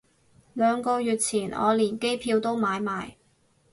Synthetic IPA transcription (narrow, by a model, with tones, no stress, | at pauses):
lœː˨˧ŋkɔː˧jyː˨˩t̚t͡sʰiː˨˩nɔ̰ː˨˧liː˨˩nke˥jpʰiː˧wt̪o˥wmaː˨˧jmaː˨j